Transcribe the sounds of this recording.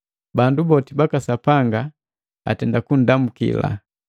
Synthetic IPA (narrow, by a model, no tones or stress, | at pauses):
bandubɔtibakasapaŋɡa | a̰tɛndakun̩damukḭla̰